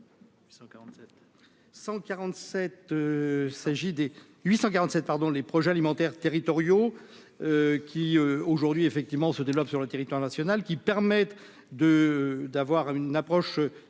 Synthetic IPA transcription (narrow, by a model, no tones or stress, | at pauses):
aɑ̃t̪ɛ | sɑ̃kaʁɑ̃t̪sɛt̪øsaʒid̪e | ɥisɑ̃kaʁɑ̃t̪sɛt̪̚paʁd̪ɔ̃lepχɔʒɛalimɑ̃t̪ɛʁt̪eʁit̪ɔʁjo | økʲiøoʒuʁd̪ɥiefɛk̚t̪ivmɑ̃səd̪evlɔpsyʁlət̪eʁit̪waʁnasjɔnalkʲipɛʁmɛt̪ | d̪əd̪avwaʁynapχɔʃø